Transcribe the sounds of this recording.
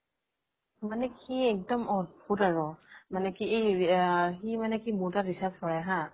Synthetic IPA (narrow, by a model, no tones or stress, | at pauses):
manɛkiɛk̚dɔmɔbutaɹɔmanɛkiej | ximanɛkimutaɹisaskɔɹɛɦã